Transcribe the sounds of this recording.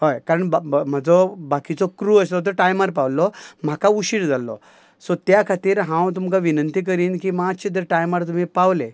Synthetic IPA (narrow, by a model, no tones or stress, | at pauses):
ɦojkaɾəɳbm̤əd͡zɔbakit͡sɔkɾuəslɔt̪əʈajmaɾpawlɔm̤akauɕiːɽd͡zalːɔ̰ | sɔt̪jakʰat̪iːɾɦãwt̪umkaʋinənt̪ik̬əɾiːnkiːmaːɕed̪əɾʈajmaɾt̪um̤ipaʋle